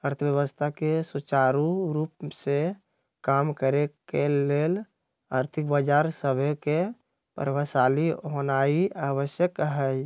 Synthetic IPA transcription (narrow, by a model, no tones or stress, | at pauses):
əɾt̪ʰəbjəwəst̪ʰakesut͡ʃaɾuɾuːpse | kaːmkəɾekeleːl | a̰ːɾt̪ʰɪk̚bəd͡ʒaːɾsəbʱeke | pə̰ɾʋəsaːliɦonaiaːʋəsjəkɦɛ